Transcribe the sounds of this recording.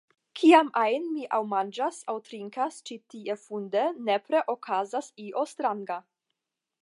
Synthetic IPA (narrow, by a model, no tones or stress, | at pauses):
kʰiamajnmiʔawmand͡ʒasawtɾiŋkast͡ʃitiefundene̞pɾe̞ʔokʰazasiʔo̞stɾaŋɡa